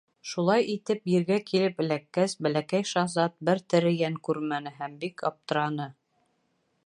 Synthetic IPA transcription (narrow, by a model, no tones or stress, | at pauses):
ʃulˠɑjit̪ɘpjĭɾɡækʰilɘpɘ̆lækːæsbælækæjʃɑzɑt̪̚bɘɾt̪ɘ̆ɾɘjæŋkʉɾmænɘɦæmbikɑ̰p̚t̪ɤ̆ɾɑnɤ